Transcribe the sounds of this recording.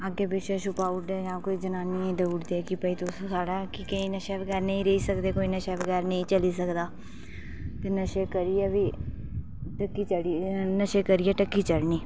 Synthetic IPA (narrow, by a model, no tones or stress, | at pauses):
əɡeːbɪʃeːʃʊpaːʊʈd̪eːd͡ʒãːkoːiːd͡ʒənaːniːẽːd̪əuːʈd̪eːkɪpəiːt̪ʊssaːɖaːkɪkəĩːnəʃeːʋəɡɛːɾnə̃ĩːɾəiːsəkd̪eːkoːiːnəʃɛːbəɡɛːɾnəĩːt͡ʃəliːsəkd̪aː | t̪eːnəʃeːkəɾiɛːʋiː | ʈəkːiːt͡ʃəɽinəʃeːkəɾiːɛːʈəkːiːt͡ʃəɽniː